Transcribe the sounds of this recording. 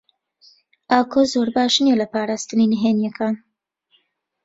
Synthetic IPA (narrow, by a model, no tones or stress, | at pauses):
ʔaːkʰozoɾbaːʃnelɐpaːɾaːst̪ɨninəɦenjɛkʰaːn